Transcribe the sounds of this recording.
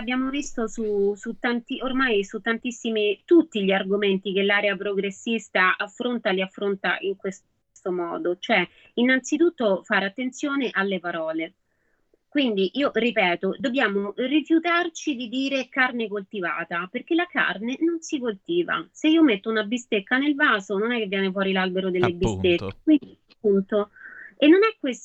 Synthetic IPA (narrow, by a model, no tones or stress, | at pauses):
abːjaːmovist̪osusut̪ːant̪iormajsut̪ːant̪isːimit̪ut̪ːiʎiarɡoment̪ikelːaːɾeapɾoɡɾesːist̪aafːɾont̪aliafːɾont̪a̰ʔiŋkwes | st̪omɔ̰ːd̪ot͡ʃoɛ | inːant̪sit̪ut̪ːofaɾeat̪ːent̪sjoːneʔalːepaɾɔːle | kwind̪iʔiːoʔripɛːt̪od̪objaːmorifjut̪art͡ʃid̪id̪iːɾekarnekolt̪iva̰ːt̪aperk̟elaka̰rnenonsikolt̪iːva̰seiːomet̪ːounabist̪ekːanelvaːzononɛkːevːjɛːnef̬wɔːɾilalbeɾod̪elːebist̪ek̪ːekwind̪iapːunt̪oenːonɛkːwes